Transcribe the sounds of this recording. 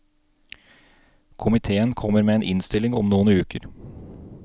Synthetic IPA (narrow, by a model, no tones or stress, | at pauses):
kʰʊmɪt̪ʰeːənkʰɔməɾmeːeːnʔɪnst̪ɪlɪŋɔ̰mnuːnʉːkəɾ